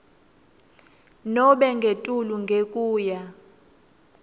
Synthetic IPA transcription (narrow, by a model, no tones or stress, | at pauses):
nɔɓɛŋɡʱetʼuluŋɡʱekʼuːja